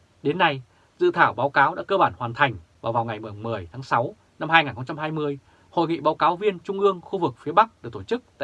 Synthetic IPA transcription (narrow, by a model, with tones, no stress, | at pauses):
ɗe˨˦nːa˧j | zɨ̰˧˨t̪ʰaː˧˩wɓaː˨˦wkaː˨˦wɗa̰ː˧˥kəː˧ɓaː˧˩nhwaː˨˩nt̪ʰa˨˩jŋ̟vaː˨˩wvaː˨˩wŋ͡mŋa˨˩jmɨ˨˩mɨ˨˩əjt̪ʰaː˨˦ŋsa˨˦w | na˧mhaː˧jŋaː˨˩nxə˧wŋ͡mt͡ɕa˧mɦaː˧jmɨ˧əj | ho̰˧˨jŋḭ˧˨ɓaː˨˦wkaː˨˦wvi˧ənt͡ɕʊ˧ŋ͡mʔɨ˧əŋxu˧vɨ˨˩k̚fi˨˦əɓa˦˥k̚ɗɨ˨˩k̚t̪o˧˩t͡ɕɨ˦˥k̚t̪a̰ː˧˨